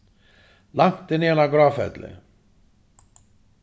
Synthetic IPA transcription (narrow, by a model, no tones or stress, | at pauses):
laŋt̪d̪eneːlaɡɾɑːfɛ̰d̪lḛ